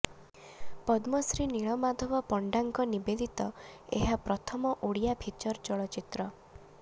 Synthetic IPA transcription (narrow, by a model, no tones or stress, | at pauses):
pɔd̪mɔsɾiniɭɔmad̪ʱɔbɔpɔɳɖaŋkɔnibed̪ʱit̪ɔḛɦapɾɔt̪ʰɔmɔʔuɽijabʱit͡ʃɔɾt͡ʃɔɭɔt͡ʃit̪ɾɔ